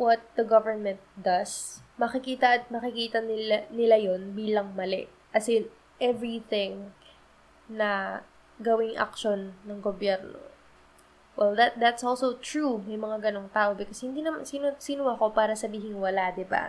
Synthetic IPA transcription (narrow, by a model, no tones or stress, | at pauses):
wɔt̪̚d̪ɐɡɐvɛɹmɛ̃nt̪̚d̪ɐsmɐkɪkiːt̪ɐʔɐt̪̚mɐkɪkiːt̪ɐnɪnɪlajonbiːlɐŋmɐlɛ̰ | kɐsɛ | ʔɛvɹiθɪŋ | nɐ | ɡɐwɪŋʔɐ̰kʃonːɐŋɡobjɛɾno̰ | wʔɛld̪ɐt̪̚d̪ɐt̪sʔolsowt̪ɹumɐjmɐŋaɡɐnoŋt̪aːʔo̞bɪkoshɪnd̪iːnɐmansinsinʊwako̞paːɾɐsɐbiːɦɪŋwɐlad̪ɪba̰